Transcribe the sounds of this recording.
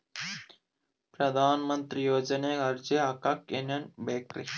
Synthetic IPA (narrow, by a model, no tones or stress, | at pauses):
pɾɐd̪ʱaːnmɐnt̪ɾijoːd͡ʒɐneɡɐɾd͡ʒeɦɐkːɐkenɐnbeːk̚ʈɾi